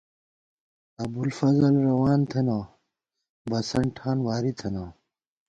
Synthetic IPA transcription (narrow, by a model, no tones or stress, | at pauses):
ɐbulfɐzɐlɾɐwaːnt̪ʰɐnaː | bɐsɐɳʈʰaːnwaːɾit̪ʰɐnaː